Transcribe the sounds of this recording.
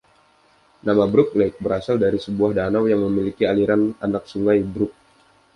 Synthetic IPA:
namabɾʊk̚naɪk̚bəɾasaldaɾisəbuahdanawjaŋməmilikialiɾananak̚suŋajbɾʊk̚

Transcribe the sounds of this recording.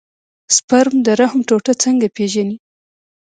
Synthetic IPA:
spaɾmd̪əɾahmʈoʈət͡səŋɡapeʒani

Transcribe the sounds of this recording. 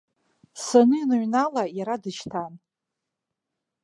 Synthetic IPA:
sanɨinɨɥnalajaɾadɨʃtʰan

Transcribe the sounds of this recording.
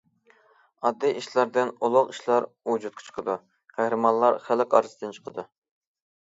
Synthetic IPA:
ɑd̪ːijʔiʃlˠɑɾd̪ɪnolˠʊqiʃlˠɑɾud͡ʒut̪̚kʲʰɑ̥t͡ʃʰqʰəd̪u | qʰæhɾɨmɑnlˠɑɾχælɪkʲɑ̰ɾɨsɨd̪ɨnt͡ʃʰə̥qʰəd̪u

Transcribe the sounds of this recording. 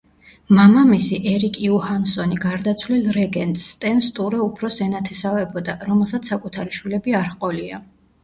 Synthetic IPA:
mamamisiʔɛɾikʼiuhansɔniɡaɾd̪at̪sʰlilˠɾɛɡɛnt̪ʼst̪ʼɛnst̪ʼuɾɛupʰɾɔsɛnat̪ʰɛsavɛbɔd̪aɾɔmɛlˠsat̪ssːakʼut̪ʰaɾiʃwilɛbiaɾχqʼɔlia̰

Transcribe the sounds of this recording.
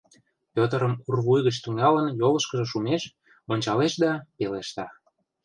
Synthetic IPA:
pʲøt̪əɾəmurβujɣət͡ɕt̪yŋɑlənjoləʃkə̆ʒə̆ʃumeʃ | onʲt͡ɕɑleʃd̪ɑpeleʃt̪ɑ

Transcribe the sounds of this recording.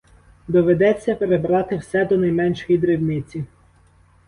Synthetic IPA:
d̪ɔʋed̪ɛt͡sʲːɐpeɾebɾɑt̪ɪwsɛd̪ɔnɐjmɛnʃxid̪ɾɪwmʲɪt͡sʲi

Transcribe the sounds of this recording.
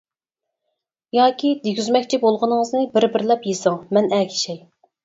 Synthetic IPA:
jɑːkʲʰid̪eɡʲyzmɛkʲt͡ʃʰibolˠʁənɨŋəznɨbɪɾbɪɾlɛpjesɑŋmɛnɛkʲʰi̥ʃɛj

